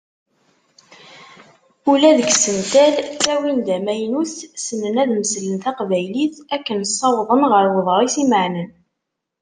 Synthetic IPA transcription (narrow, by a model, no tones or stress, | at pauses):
ulæðəɡsənt̪ælθæwind̪æmæjnuθsənənæðməslənt̪æqvæjliθækːənsˤːɑwðˤənʁəɾwəðˤɾˤisiməʕnən